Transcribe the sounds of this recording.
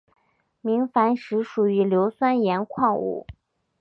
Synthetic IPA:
mi˧˥ŋfa˧˥nʂɻ̩˧˥ʂu˨˩y˧˥ljo˧˥ʊswa˥njɛ˧˥nkʰwɑ˥˧ŋṵ˨˩˦

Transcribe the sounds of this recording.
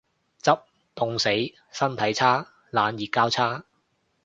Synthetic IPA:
t͡sɐ˥p̚ | t̪ʊ˨ŋse˨˥j | sɐ˥nt̪ʰɐ˨˥jt͡sʰaː˥ | laː˨˧njiː˨kːaː˥wt͡sʰaː˥

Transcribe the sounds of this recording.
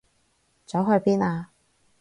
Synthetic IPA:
t͡sɔ˨˥wɦɵ˧ɥpiː˥naː˧

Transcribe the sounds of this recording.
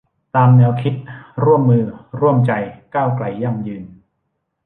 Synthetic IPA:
t̪aː˧mnɛː˧wkʰi˦˥t̪̚ɾu˥˩əmːɯː˧ɾu˥˩əmt͡ɕa˧jkaː˥˩wkla˧˩jːa˥˩ŋjɯː˧n

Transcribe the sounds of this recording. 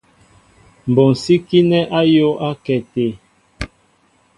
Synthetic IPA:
m˨bɔ˨n˨si˦ki˦nɛ˦ʔa˦jo˦ʔa˦kɛ˨te˨

